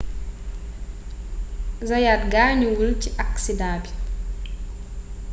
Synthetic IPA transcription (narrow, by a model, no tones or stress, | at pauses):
zajatɡaɲuwulciʔaksidaːbi̥